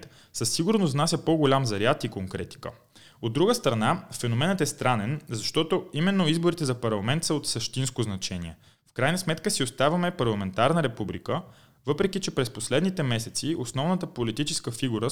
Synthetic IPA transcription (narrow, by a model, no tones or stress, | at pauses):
t̪ | səsːiɡuɾnoznasʲjəpoɡolʲamzɐɾjat̪ikoŋkɾɛt̪i̥kə̰ | od̪ːɾuɡəst̪ɾɐnafɛnomɛnət̪ɛst̪ɾanɛnzɐʃt̪ɔt̪oimɛnːoizboɾit̪ɛzɐpɐɾlˠɐmɛnt̪səot̪səʃt̪inskoznɐt͡ʃɛniɛ | fkɾajnəsmɛt̪kəsiost̪avɐmɛpɐɾlˠɐmɛnt̪aɾnəɾɛpublikə | vɤpɾɛk̟it͡ʃɛpɾɛsposlɛd̪nit̪ɛmɛsɛt̪siosnɔvnət̪əpolit̪it͡ʃɛskəfiɡuɾə